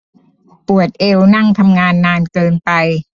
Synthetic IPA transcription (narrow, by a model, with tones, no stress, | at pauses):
pu˨˩ət̪̚ʔe˧wna˥˩ŋt̪ʰa˧mŋaː˧nːaː˧nkɤː˧npa˧j